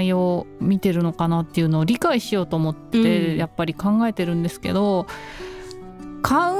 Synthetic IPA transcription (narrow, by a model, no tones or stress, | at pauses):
io̞mʲit̪e̞ɾɯ̟no̞kanat̪ːe̞jɯ̟no̞ːɾʲikaiɕijo̞ːt̪o̞ːmo̞t̪ːet̪ejapːaɾʲikãŋɡae̞t̪e̞ɾɯ̟̃nd̪e̞sɨ̥ke̞̰d̪o̞ | kʰã